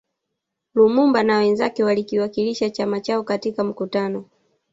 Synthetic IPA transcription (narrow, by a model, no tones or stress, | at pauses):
lumumbanawɛnzakɛwalikiwakiliʃat͡ʃamat͡ʃaɔkatikam̩kutanɔ